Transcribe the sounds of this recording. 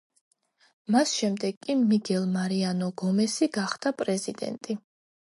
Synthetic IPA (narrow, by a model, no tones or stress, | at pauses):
masʃɛmd̪ɛɡːʼimiɡɛlˠmaɾianɔɡɔmɛsiɡaχd̪̥apʼɾɛzid̪ɛ̰nt̪ʼi